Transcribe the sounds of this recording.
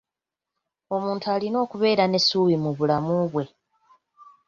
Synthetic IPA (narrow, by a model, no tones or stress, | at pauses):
o̞muːntuaːlino̞ːkuβe̞ːɾane̞suːβimuβulamuβwe̞